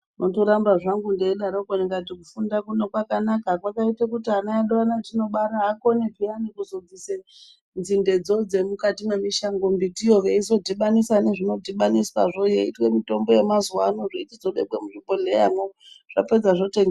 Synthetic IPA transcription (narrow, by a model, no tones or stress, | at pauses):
nʔotoɾambaʐaŋɡundeːɗaɾokoniŋɡatikufundakune̞kwakanakakwakaitakutiɦanaaɗoanatino̞ɓaɾaɦako̞nepianikuzod͡zise | nzinde̞d͡zo̞d͡ze̞mukatimwe̞miʃaŋɡombitijoʋeizo̞diɓanisaneʐino̞diɓaniswaʐojeitwe̞mito̞mbo̞je̞mazuwanoʐiitid͡zo̞ɓḛbwemuʐibolejaŋo | ʐ̥a̰ped͡zaʐo̞teŋɡ